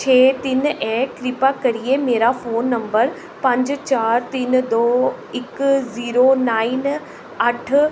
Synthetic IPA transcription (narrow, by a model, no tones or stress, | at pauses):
t͡ɕʰeːt̪ɪnʔɛːkɾɪpakɐɾiemeːɾafoːnːɐ̃mbəɾ | pɐ̃ɲd͡ʑt͡ɕaːɾt̪ind̪oː | ɪkziːɾonaːin | ɐʈʰ